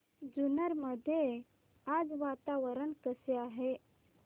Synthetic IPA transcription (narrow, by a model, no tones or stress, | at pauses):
d͡ʒunəɾməd̪ʱje | ad͡zʋaːt̪aʋəɾənkəsjaɦe